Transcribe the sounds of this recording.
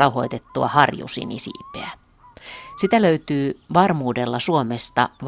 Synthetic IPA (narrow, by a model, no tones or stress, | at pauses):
ɑuho̞jt̪et̪ːuɑ̰hɑrjṵsḭnḭsḭːpːˑeæ | sit̪æløyt̪yːʋɑrmuːde̞lːɑsuomest̪ɑ̰ʋ